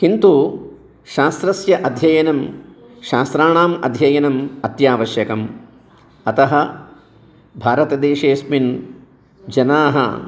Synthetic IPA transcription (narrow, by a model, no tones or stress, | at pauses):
kint̪u | ʃaːst̪ɾɐsjɐʔɐd̪ʱjɐjɐnɐm | ʃaːst̪ɾaːɳaːmɐ̰d̪ʱjɐjɐnɐmɐt̪jaːʋɐʃjɐkɐm | ɐt̪ɐɦɐ | bʱaːɾɐt̪ɐd̪eːʂeːsmin | d͡ʒɐnaːɦɐ̰